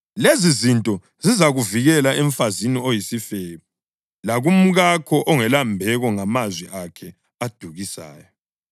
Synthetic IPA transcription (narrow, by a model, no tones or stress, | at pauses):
lezizintʼɔ | zizaɣuviɣɛlaɛɱfaziniojisifeβu | laɣum̩ɣakʰɔʔɔŋɛlambʱɛɣɔŋamazwiʔakʰɛ | ad̥ʱuɣisa̰ːjɔ